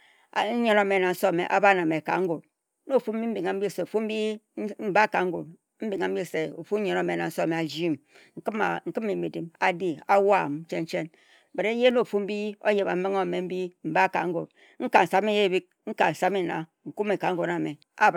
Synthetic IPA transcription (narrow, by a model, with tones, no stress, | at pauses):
ɲe˨no˦˨me˨na˨n̩˦so˦˨mḛ˨ʔa̰˨ba˦˨na˨me˨ka̰˨ŋ̩˦ɡo˨t̚ | no˦˨fu˦m̩˦bi˦m̩˦bi˨ŋa˨m̩˦bi˦˨se˨fu˦m̩˦bi˦ | m̩˦ba˦˨ka˨ŋ̩˦ɡo̰˨t̚ | m̩˦bi˨ŋa˨m̩˦bi˦˨se˨o̰˨fu˦e˨no˦˨me˨na˨n̩˦so˦˨me˨a˨d͡ʒi˦m̩˨˦˨ | ŋ̩˨kɨ˦mi˨mi˨di˨ma˨di˦a˦wa˦˨m˨˦t͡ʃe˦n˦t͡ʃe˦n˨ | be˨ɾe˦n̩˦je˦no˦˨fu˦m̩˦bi˦o̰˦je˨ba̰˨m̩˦bi˦ŋo˦˨me˨m̩˦bi˦m̩˨ba˦˨ka̰˨ŋ̩˦ɡo̰˨t̚ | ŋ̩˦ka˨n̩˨sa˨m˦i˦je˦˨bi˦k̚ŋ̩˦ka˨n̩˨sa˨˦me˦na̰˨ | ŋ̩˨ku˦me˨ka˨ŋ̩˦ɡo˨da˨me˨ | a˦˨